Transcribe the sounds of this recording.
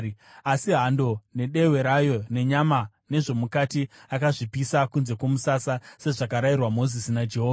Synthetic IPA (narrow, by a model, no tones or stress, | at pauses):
asiɦando̞ne̞ɗe̞we̞ɾajo̞ne̞ɲama | ne̞ʐo̞mukatiakaʐipisakunze̞kwo̞musasase̞ʐakaɾajirwamo̞zisinad͡ʒeɦoː